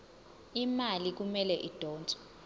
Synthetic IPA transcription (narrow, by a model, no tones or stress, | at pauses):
imalik̬umɛlɛʔid̥ʱɔːnt͡sʼɛ̥